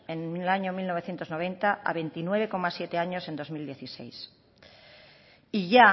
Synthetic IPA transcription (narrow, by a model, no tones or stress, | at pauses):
enlaɲomilno̞βe̞θje̞nt̪ozno̞β̞e̞nt̪aʔa̰βe̞nt̪inwe̞β̞e̞ko̞masje̞t̪e̞aɲo̞se̞nd̪o̞zmild̪je̞θise̞̰js | iʝa